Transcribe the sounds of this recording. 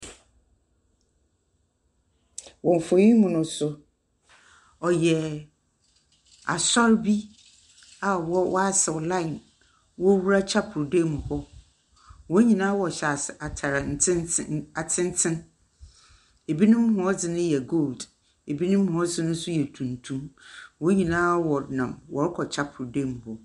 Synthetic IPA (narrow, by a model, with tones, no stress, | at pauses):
wɔ̃˨ɱ˨fo˨jĩ˦mʊ̃˨nʊ̃˦sʊ˦ | ɔ˨jɛ˨ | a̰˨sɔ˦ɾbi˦ | a˨wɔ˦wʔɔ˦a˦sɛ˨wlã˦ɪ˨n | wɔ˦wu˦ɾa˦t͡ɕʰa˦pʰʊ˨ɾdeː˦mũ˨hɔ˦ | wɔ̃˦ɲĩ˨nãː˦wɔ˨ɕɛ˨a˨a˨tʰa˨ɾa˨n˨˦na˨tʰɪ̃˦n˦tʰɪ̃˦n | e˨bi˦nʊ̃˦m˦ɦʊ̃˦ɔ˦d͡zɪ˨nʊ̃˦jɛ˨ɡo˦˨ld | e˨bi˦nʊ̃˦m˦hʊ̃˨˦d͡zɪ˨nʊ̃˦sʊ˦jɛ˨tʰũ˨ntʰũ˦mwɔ˦ɲĩ˨nãː˦wɔ˨nã˨mwɔ˨ɾkʰɔ˨t͡ɕʰa˦pʰʊ˨ɾde˦˨m˨hɔ˦